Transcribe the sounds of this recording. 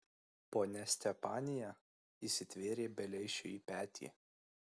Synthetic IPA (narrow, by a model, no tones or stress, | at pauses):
poːnʲɛsʲt̪ʲɛpɑːnʲɪjæ | iːsʲɪt̪ʲʋʲeːɾʲeːbʲɛlʲɛɪʃʲʊ̰iːpʲæːt̪ʲʰḭː